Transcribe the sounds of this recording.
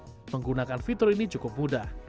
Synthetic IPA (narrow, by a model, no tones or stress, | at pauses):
məŋɡunakanfit̪ʊɾinit͡ʃukʊp̚mudah